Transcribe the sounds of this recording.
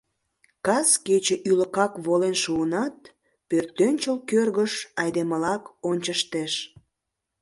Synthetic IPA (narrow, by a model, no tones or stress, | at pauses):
kɑsket͡ɕeʔyləkɑkβolenʃuənɑt̪̚ | pørt̪ːønʲt͡ɕəlkørɣəʃɑjd̪eməlɑkonʲt͡ɕəʃt̪eʃ